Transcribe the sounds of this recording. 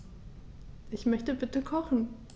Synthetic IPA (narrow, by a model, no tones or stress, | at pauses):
ʔɪçmœçtəbɪtəkʰɔχn̩